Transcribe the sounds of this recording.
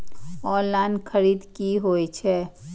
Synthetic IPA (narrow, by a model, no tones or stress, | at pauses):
ɔːlaːnkʰəɾiːd̪kiɦoːit͡ʃʰɛ